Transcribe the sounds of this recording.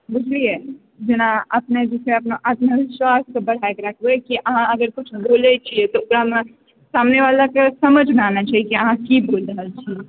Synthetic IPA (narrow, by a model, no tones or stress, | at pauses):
bud͡ʒʱlije | d͡ʒenaəpned͡ʒiseəpnoʔat̪məʋɪʃwaskebəɽ̤ʱajkeɾəkʰbekiʔəɦãəɡəɾkut͡ʃʰbolɛt͡ʃʰiet̪ɔukɾame | samneʋalakesəməd͡ʒʱmeanat͡ʃʰaɦikiəɦãkibolɾəɦəlt͡ʃʰi